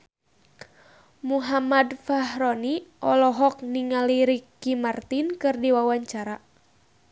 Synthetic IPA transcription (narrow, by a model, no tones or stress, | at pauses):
muɦamadfaɦɾɔniʔɔlɔɦɔk̚niŋaliɾikːimart̪inkɨrdiwawaɲt͡ʃaɾa